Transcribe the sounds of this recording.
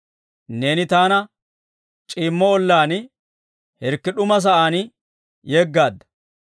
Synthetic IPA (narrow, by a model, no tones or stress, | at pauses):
ne̞ːnɪt̪aːnɐ | t͡ʃʼiːmːɔɔlːaːn | hɛɾkːɪɗʊmɐs̬ɐʔaːn | jeɡːaːd̪ːɐ̥